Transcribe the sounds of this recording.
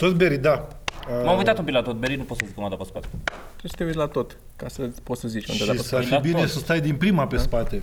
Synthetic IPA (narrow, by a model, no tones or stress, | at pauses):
t̪ot̪beɾid̪aəmamujt̪at̪obinlat̪ot̪̚beɾinupo̞t̪səzikəmand̪apəspat̪e | t̪ɾesət̪eut̪lat̪o̞t̪ | kasəpot̪səzit͡ʃkṵntʃd̪safibine̞səst̪ajd̪inpɾimape̞sspat̪e̞